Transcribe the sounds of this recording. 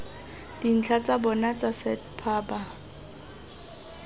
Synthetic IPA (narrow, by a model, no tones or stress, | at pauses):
d̥in̩t͡ɬʰat͡sʼabɔnat͡sʼasɛtpʰaːba